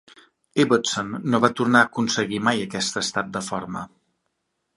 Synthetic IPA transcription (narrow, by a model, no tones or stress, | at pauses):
eβət̪sonːoβat̪urnaəkunsəɣimajəkɛst̪əst̪at̪̚d̪əfɔɾmə̰